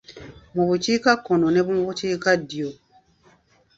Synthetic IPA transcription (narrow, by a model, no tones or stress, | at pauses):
mobut͡ʃikakɔnɔ̃nɛbumobut͡ʃikadio